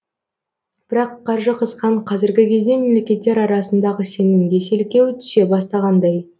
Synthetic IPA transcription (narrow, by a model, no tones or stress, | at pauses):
b̥ɪɾɑqʰːɑɾʒəqʰəzqɑɴqʰɑzɪɾɡʲɪkʲʰe̞zd̪e̞me̞mle̞kʲe̞t̪ːe̞ɾɑɾɑsənd̪ɑʁəse̞nɪmɡʲe̞se̞lkʲe̞wt̪ʰʏ̥se̞bɑst̪ɑʁɑnd̪ɑj